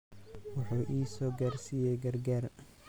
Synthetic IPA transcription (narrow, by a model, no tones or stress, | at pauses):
wʊħuːʔiːsɔːɡaːrsijɛjɡɐrɡaːr